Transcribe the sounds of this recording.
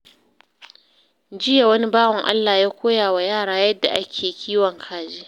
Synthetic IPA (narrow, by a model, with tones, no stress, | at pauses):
d͡ʒɪ˦ja˨wɐ˦ni˦baː˦wɔ˨ŋʔa̰˦lːaː˨jaː˦kʷoː˦jaː˨wa˨jaː˦˨ɽaː˦jɐ˦dːa̰˨ʔa˦kʲʰeː˨kʲʰiː˦wɔ˨ŋkʰaː˨d͡ʒiː˦